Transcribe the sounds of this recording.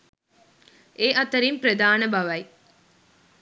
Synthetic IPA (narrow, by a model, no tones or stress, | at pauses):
eːʔɐt̪əɾimpɾəd̪aːnəbɐʋɐj